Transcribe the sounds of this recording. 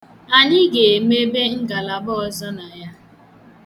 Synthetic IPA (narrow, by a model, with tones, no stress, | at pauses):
a˨ɲɪ˦ɡe˨me˦be˦ŋ̩˦ɡa˨la˨bɔ˦ɔ˦zɔ˦na˨ja˦